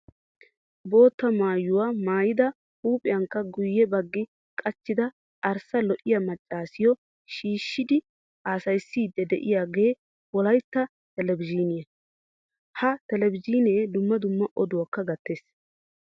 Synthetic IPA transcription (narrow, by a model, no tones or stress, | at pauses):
bo̞ːt̪ːɐmaːjːʊwaːmaːjɪd̪ɐ | huːpʼɪjɐŋkːɐɡʊjːɛbɐɡːɪ | kʼɐt͡ʃːɪd̪ɐ | ʔɐɾsɐlɔʔɪjɐmɐt͡ʃʼːaːsɪjɔ | ʃiːʃːɪd̪ɪ | aːsɐjsːiːd̪ːɛd̪ɛʔɪ̰jaːɡe̞ː | wɔlɐjt̪ːɐ | t̪ɛlɛbɪd͡ʒiːnɪjɐ | hɐt̪ɛlɛbɪd͡ʒiːneːd̪ʊmːɐd̪ʊmːɐʔɔd̪ʊwɐkːɐɡɐt̪ːeːs